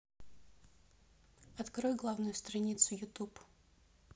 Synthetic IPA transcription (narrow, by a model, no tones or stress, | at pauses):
ɐt̪kɾojɡlˠavnʊjʊst̪ɾɐnʲit̪sʊjʊt̪up